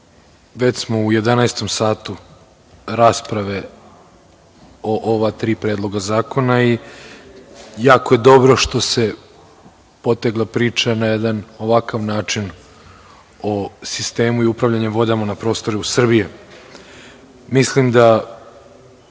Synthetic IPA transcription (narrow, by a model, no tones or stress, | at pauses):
ʋe̞t͡ɕsmo̞uje̞d̪anaest̪o̞msaːt̪u | ɾaːspɾaʋe̞ | oʔoʋat̪ɾiːpɾeːd̪lˠo̞ɡazaːko̞nai | jaːkoje̞d̪o̞bɾo̞ʃt̪o̞se̞ | po̞t̪eɡlˠapɾiːt͡ʃanajed̪ano̞ʋakaʋnaːt͡ʃin | osist̪e̞ːmuiupɾaʋʎaɲeʋo̞d̪amonapɾo̞ːst̪o̞ɾuusr̩bije | mislimd̪a